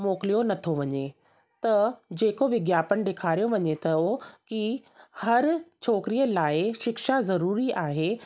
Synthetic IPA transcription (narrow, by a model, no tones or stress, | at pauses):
moːkɪlijonɐt̪ʰoʋɐɲe | t̪ɐd͡ʑeːkoʋɪɡjaːpənd̪eːkʰaːɾijoʋɐɲet̪ɐkihɐɾt͡ɕʰoːkɾijəlaːɪʃɪkʃazɐɾuːɾiʔaːɦe